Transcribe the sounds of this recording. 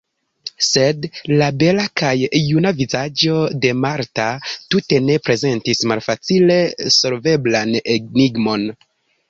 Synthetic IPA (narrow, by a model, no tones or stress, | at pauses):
se̞dlabe̞lakajːunavizad͡ʒo̞de̞maɾtatute̞ne̞pɾe̞ze̞ntismalfat͡sile̞so̞lve̞blaneɡ̚niɡmo̞n